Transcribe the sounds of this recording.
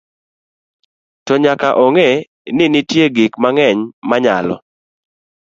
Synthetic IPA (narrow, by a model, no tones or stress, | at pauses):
tɔɲakaʔɔŋe | nɪnɪtjeɡikmaŋɛɲmaɲa̰lɔ̰